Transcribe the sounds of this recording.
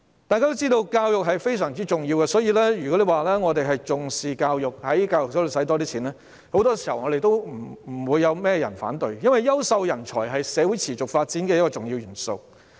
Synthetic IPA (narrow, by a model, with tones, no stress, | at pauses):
t̪aː˨jka˥to˥t͡siː˥t̪o˧wkaː˧wjʊ˨k̚ɦɐ˨jfe˥jsœː˨˩ŋt͡siː˥t͡ʃʊ˨ŋjiː˧wkɛ˧sɔː˨˥jiː˧lɛː˥jyː˨˩kɔ˨˥le˨jwaː˨˧lɛː˥ŋɔː˨˧t̪̬e˨jɦɐ˨jt͡sʊ˨ŋsiː˨˩kaː˧wjʊ˨k̚hɐ˨˥jkaː˧wjʊ˨k̚sɐ˨˥lo˨˩sɐ˨˥t̪ɔː˥t̪̬iː˥iː˨˥nlɛː˥ | ho˨˥wt̪ɔː˥si˨˩hɐ˨˩wŋɔ˨˧ɾe˨jt̪o˥wm̩˨˩˨wuː˨˧jːɐ˨˧wmɛː˥˩jɐ˨˩nfa̰ː˨˥nt̪ɵ˨˧ɥjɐ˥nwɐ˨jːɐ˥wsɐ˧wjɐ˨˩nt͡ʃʰɔ̰ː˨˩jɦɐ˨jsɛː˨˧wuː˨˥jt͡sʰiː˨˩t͡sʊ˨k̚faː˧t̚t͡siː˨˥nkɛː˧jɐ˥kɔː˧t͡sʊ˨ŋjiː˧wjyː˨˩nso̰˧w